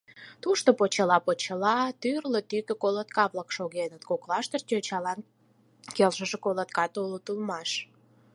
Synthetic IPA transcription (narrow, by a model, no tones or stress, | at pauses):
t̪uʃt̪opot͡ɕəlɑpot͡ɕəlɑt̪yrlət̪ykekolət̪kɑβləkʃoɣenət̪koklɑʃt̪ərt̪ʲøt͡ɕɑlɑn | kelʒəʒekolət̪kɑt̪olut̪ulmɑʃ